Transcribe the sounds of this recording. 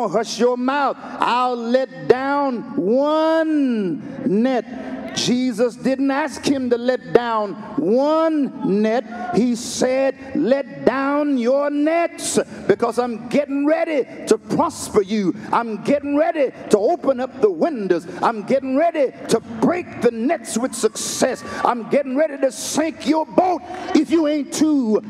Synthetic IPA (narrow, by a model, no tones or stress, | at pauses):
ɦʌʃjə˞maʊθʔa̰ɪllɛt̚d̥ãʊ̃nwʌ̃nː | ɛt̚d̥ʒ̥izəsd̥ɪdⁿn̩tæskhɨ̃mtɨlɛt̚d̥ãʊ̃n | wʌ̃nːɛt̚hisɛd̥̚lɛt̚d̥ãʊ̃njə˞nɛtsb̥ɨkʰʌzãɪ̃mɡɛɾɪ̃ŋɹɛɾiɾəpʰɹ̥ɑspə˞jɨʔãɪ̃mɡɛɾɪ̃ŋɹɛɾiɾəoʊpə̃nʌp̚ðəwɪ̃ndoʊzãɪ̃mɡɛɾɪ̃ŋɹɛɾiɾəbɹeɪk̚ðɨnɛtswɨð̥sɨksɛsã̰ɪ̃mɡɛɾɪ̃ŋɹɛɾiɾɨsæ̃ŋkjə˞boʊɾɨfjɨẽɪ̃ntʰu